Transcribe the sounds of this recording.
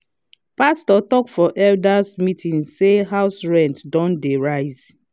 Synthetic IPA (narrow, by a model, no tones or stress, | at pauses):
pastɔtɔkfɔʔɛldasmitʰĩnzseɦaʊsɹɛ̃ntdɔ̃ndeɹaɪz̥